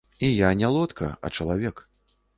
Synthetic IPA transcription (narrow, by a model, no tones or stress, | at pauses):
ijanʲɛlˠɔt̪kʰɐ̰ɐ̰t͡ʂɐlˠavʲɛk